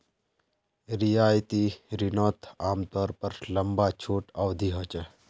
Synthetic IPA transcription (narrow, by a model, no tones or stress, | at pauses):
ɾijaːjt̪iɾinɔːt̪ʰaːmt̪ɔːɾpɐɾlɐmbaːt͡ʃʰoːʈɐʋd̪ʱiɦɔt͡ʃə